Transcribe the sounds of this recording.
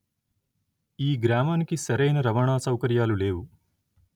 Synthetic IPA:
iːɡɾaːmaːnikisɐɾɐjnɐɾɐʋaːɳaːsɐwkɐɾjaːlule̞ːwu

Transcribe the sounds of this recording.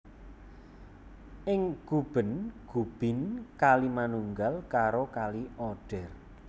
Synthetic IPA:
ʔɪŋɡ̥ub̥ə̤nɡ̥ub̥ɪ̤nkalimanuŋɡalkaɾokaliɔɖ̥ɛr

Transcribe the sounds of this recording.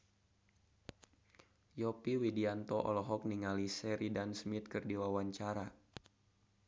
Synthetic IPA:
jɔpiwidiant̪ɔʔɔ̰lɔɦɔk̚niŋalisɛɾidansmit̪̚kɨrdiwawaɲt͡ʃaɾa

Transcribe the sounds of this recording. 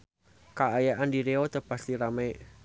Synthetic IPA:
kaʔajaʔandiɾeɔt̪əpast̪iɾamɛʔ

